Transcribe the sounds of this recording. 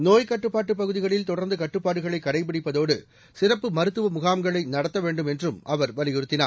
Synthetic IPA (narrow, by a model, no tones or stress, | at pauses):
noːjkɐʈːɯpːaːʈːɯp̬ːɐɣɯðɪɣɐɭɪlt̪ɔɽɐɾnd̪ɯkɐʈːɯpːaːɽɯɣɐɭɐɪkːɐɽɐɪp̬ːɪɽɪpːɐðoːɽɯ | sɪrɐpːɯmɐɾɯt̪ːɯʋɐmʊɣaːmɡɐɭɐɪnɐɽɐt̪ːɐʋeːɳɖɯmɛndrɯmɐʋɐɾʋɐlɪjɪɾɯt̪ːɪnaː